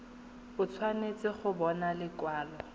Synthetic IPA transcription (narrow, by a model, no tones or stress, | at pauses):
bʊt͡sʰwanet͡sʼɪχʊbɔnalɪkwaːlɔ